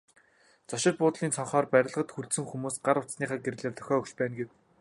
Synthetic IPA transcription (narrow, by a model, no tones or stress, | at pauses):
t͡sɔʃɪ̆t̪̚pʊːt̪ɮiːnt͡sʰɔɴχɔːrpæɾʲɪ̆ɮʁə̆t̪xurt̪sɘ̆ŋxumuːsɢaɾʊt͡s̪sniːχaːɡeɾ̆ɮeːrt̪ʰœ̥xʲɔːɵkt͡ɕpæːnɡew